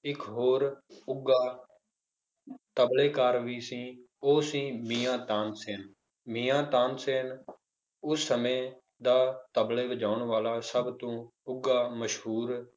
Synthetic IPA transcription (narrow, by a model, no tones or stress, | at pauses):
ɪkɦoːɾʊɡaː | t̪əbleːkaːɾʋiːsĩː | oːsĩːmiːãːt̪ãːnseːn | miːãːt̪ãːnseːn | ʊsːəmẽː | d̪aːt̪əbleːbəd͡ʒaːʊɳʋaːlaːsəbt̪õːʊɡaːməʃɦuːɾ